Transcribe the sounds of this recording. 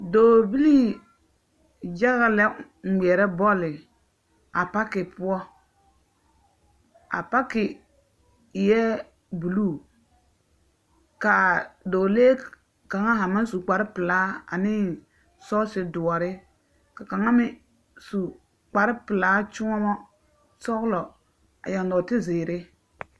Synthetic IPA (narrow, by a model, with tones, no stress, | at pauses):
doː˨bi˦li˦ | d͡ʒa˦ɣa˨lɛ˦ | ŋ̩˨ɡ͡bi˨ɛ˨ɾɛ˦bɔ˦lɪ˨ | a˨pa˦kɪ˨pʊ˦ɔ˦ | a̰˨pa˦kɪ˨ | jɛ˦ | bu˨luː˦˨ | ka˨doː˨leː˦ | ka˨ŋa˦ɦa˨ma˦n˦su˨k͡pa˨ɾɪ˦pɪ˨laː˨˦a̰˨nɪ˦ | sɔ˦sɪ˨dʊ˨ɔ˨ɾɪ˦ | ka˨ka˨ŋa˦mɪ˦ | su˨ | k͡pa˨ɾɪ˦pɪ˨laː˦t͡ʃʊ˦ŋɔ˦mɔ˦ | sɔ˦ɣlɔ˨ | a̰˨ja˨n˨dɔː˨tɪ˦zɪː˨ɾɪ˦